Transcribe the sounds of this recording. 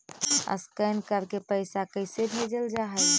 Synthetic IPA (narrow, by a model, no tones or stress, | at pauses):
ə̰skəjnkəɾkepəɪsakəɪsebʱed͡ʒəld͡ʒaɦə